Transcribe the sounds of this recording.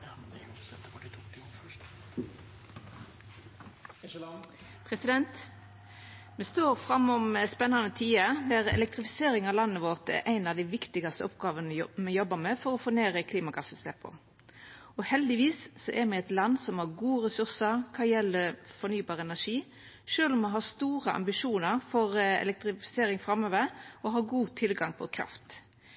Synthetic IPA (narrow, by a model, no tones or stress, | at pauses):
pʰɾɛsɪd̪ɛnt̪ | mɛst̪oːɾfɾɑmːɔməspɛnːɑnət̪ʰiːəd̪æʁɛ̰lɛk̚t̪ʁɪfɪ̥seːɾɪŋɑʋlɑnːəʋɔʁt̪æ̰ɾʔæɪnɑʋd̪æɪʋɪkt̪ɪɡɑst̪əɔpɡɑːʋənmɛjɔbəmɛfɔʁɔfoːneːɾəkʰliːmɑɡɑsəst̪ɛpʰɔ̰ | ɔhɛld̪ɪʋiːssɔʔæmɛɛt̪lɑnsɔmhɑːʁɡuːəʁɛsʉɾsəɾkʰɑːjɛlːəɾfɔɾnyːbɑːʁəɛnæʂiː | ʂøːlɔmɛɦɑːst̪uːɾəʔɑ̰mbɪʂuːnəɾfɔɾɛ̰lɛk̚t̪ɾɪfɪ̥seːɾɪŋfɾɑmøːʋəɾɔɦɑːɾɡuːt̪ʰɪlɡɑŋpʰɔ̰kʰɾɑ̰ft̪